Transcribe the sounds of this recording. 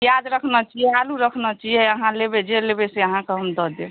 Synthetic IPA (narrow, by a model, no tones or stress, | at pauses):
jad̪ɾəkʰnət͡ʃijɛaluɾəkʰnət͡ʃijɛəɦãlebed͡ʒelebeseəɦãkeɦəmd̪ɔɦd̪e